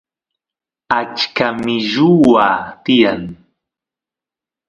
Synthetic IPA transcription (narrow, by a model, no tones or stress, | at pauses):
at͡ʃkamɪʒʊwaːt̪ɪjaŋ